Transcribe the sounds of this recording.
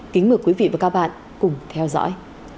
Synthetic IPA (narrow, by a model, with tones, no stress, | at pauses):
kï˨˦ŋ̟mɨ˨˩əkwi˨˦vḭ˧˨vaː˨˩kaː˦˧˥ɓa̰ː˧˨n | kʊ˨˩ŋ͡mt̪ʰɛ˧wzɔ̰ː˧˥j